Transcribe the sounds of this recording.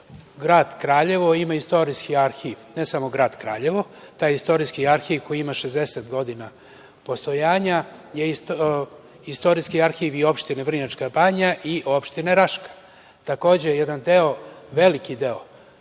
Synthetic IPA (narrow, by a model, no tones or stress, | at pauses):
ɡɾaːd̪kɾaːʎe̞ʋoimaist̪o̞ɾiskiaɾxiʋnesamoɡɾaːd̪kɾa̰ːʎe̞ʋo̞t̪aːjist̪o̞ɾiskiaɾxiʋko̞jiimaʃezd̪eset̪ɡo̞d̪ina | po̞st̪ojaːɲajeis | ist̪o̞ɾiskiaɾxiʋio̞pʃt̪ineʋr̩ɲat͡ʃkabaɲaʔiʔo̞pʃt̪ineɾaʃkḁ | t̪ako̞ːd͡ʑejɛd̪and̪eo̞ʋelikid̪eo